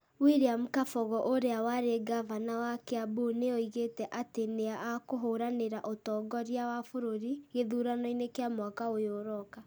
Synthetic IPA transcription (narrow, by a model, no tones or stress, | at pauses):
wiɾiamukafɔɣɔʔoɾeawaɾeɡavanawakeaboneoiɣetɛʔateneaʔakoɦoɾaneɾaʔotɔːɡɔɾjawafoɾoɾiɣeðuːɾanɔinekeamwakaojoɾɔka